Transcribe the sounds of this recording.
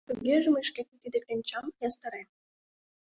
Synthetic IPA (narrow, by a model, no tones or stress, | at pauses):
t̪uɡeʒəmeʃkʲekt̪yd̪eklenʲt͡ɕɑmjɑst̪ɑɾe